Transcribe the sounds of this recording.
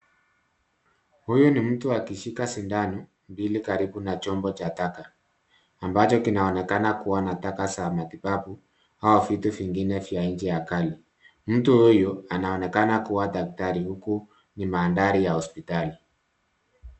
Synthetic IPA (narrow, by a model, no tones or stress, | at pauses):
hujunim̩tuakiʃikasindanu | mbilikaɾiɓunat͡ʃɔmbɔt͡ʃatakaː | mbat͡ʃɔkinaɔnɛkanakuwanatakasamatipapu | haɔvituviŋɡinɛfjaɲd͡ʒɛjakali | m̩tuhujɔanaɔnɛkanakuwadak̚taɾihuku | nimaːndaɾijahɔspitali